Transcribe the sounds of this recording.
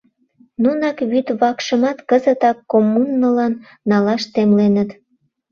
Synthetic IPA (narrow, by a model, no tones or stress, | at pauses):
nunɑkβyt̪βɑkʃəmɑt̪kəzət̪ɑkːomːunːəlɑnː | ɑlɑʃt̪emlenət̪